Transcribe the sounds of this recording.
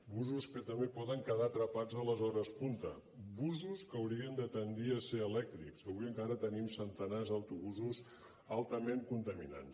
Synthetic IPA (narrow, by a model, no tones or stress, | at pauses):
buzuskət̪əmbepɔðəŋkəðat̪ɾəpad͡zələzɔɾəspunt̪əbuzuskəwɾiənd̪ət̪ənd̪iəseɾəlɛk̚t̪ɾiksəwɾiəŋkaɾət̪ənimsənt̪ənazəwt̪uβuzuz | alˠt̪əmeŋkunt̪əmina̰ns